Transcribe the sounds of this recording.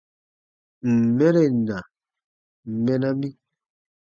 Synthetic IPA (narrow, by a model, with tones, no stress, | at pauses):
m̩˨mɛ˦ɾe˦˨na˨ | m˨mɛ˦na˦mi˦